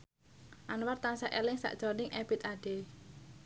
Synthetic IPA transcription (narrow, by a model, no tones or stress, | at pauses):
ʔanwart̪ansaʔɛlɪŋsa̰ʔʒ̥ɔnɪŋʔɛb̥it̪aɖ̥e